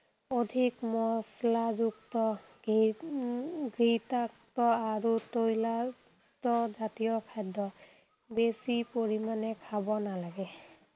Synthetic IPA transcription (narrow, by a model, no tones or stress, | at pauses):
odʱikmɔslazuktɔ | ɡɹitak̚tɔaɹutojla | tɔzatijɔkʰajdɔ | besipoɹimanɛkʰabɔnalaɡɛ